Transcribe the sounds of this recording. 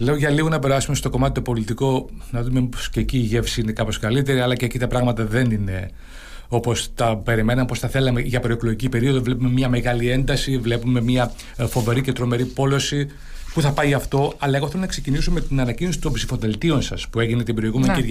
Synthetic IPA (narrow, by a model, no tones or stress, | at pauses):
le̞oʝɐliɣonɐpe̞ɾɐsume̞st̪o̞ko̞mɐt̪it̪opo̞lit̪iko̞nɐðumepo̥sceciːʝefsiine̞kɐpo̞skɐlit̪̬e̞ɾiɐlɐceːcit̪ɐpɾɐɣmɐt̪ɐðe̞nine̞ | o̞po̞sθɐpe̞ɾime̞nɐmpo̞sθɐθe̞lɐmeʝɐpɾoekloʝicipe̞ɾio̞ðovle̞pume̞mɲɐme̞ɣɐlie̞nd̪ɐsivle̞pume̞miɐ | fo̞ve̞ɾicet̪ɾo̞me̞ɾipo̞lo̞si | puθɐpɐiɐft̪o̞ɐlɐeɣoθelonɐkse̞cinisumme̞t̪inɐnɐcino̞si̥t̪o̞mpsifo̞ðe̞lt̪io̞nsɐspue̞ʝinet̪ibeɾioeɣumenkiɾʝɐ